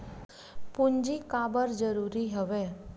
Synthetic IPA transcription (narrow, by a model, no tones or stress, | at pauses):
pʊnd͡ʒikaːbəɾd͡ʒəɾuːɾiɦəʋeː